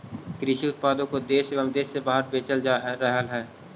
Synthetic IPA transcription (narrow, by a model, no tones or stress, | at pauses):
kɾɪʃiʊt̪̚paːd̪õkod̪eːʃeʋəmd̪eːʃːebaːɦəɾbeːt͡ʃəld͡ʒaːɦɾəɦəlɦɛː